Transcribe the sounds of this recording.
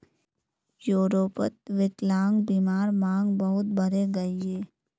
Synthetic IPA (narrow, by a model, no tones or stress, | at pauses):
joːɾoːpət̪̚ʋɪklaːŋɡbiːmaːɾmãːŋɡbɐɦʊt̪̚bəɾeɡɐieː